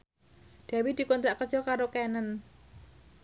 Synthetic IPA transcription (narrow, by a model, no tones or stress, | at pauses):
d̪̥a̤wid̪̥i̤kɔnt̪ɾaʔkərd͡ʒɔkaɾokenən